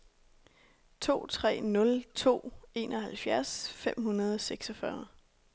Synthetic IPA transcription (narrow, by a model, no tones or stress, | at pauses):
t͡sʰo̝̰ːt͡sʰʁɛ̰ːnɔ̽lt͡sʰo̝̰ːe̝̰nɒhælfjæɐsfem̰hunɐð̞ˠɒseɡ̥sɒfɶɐ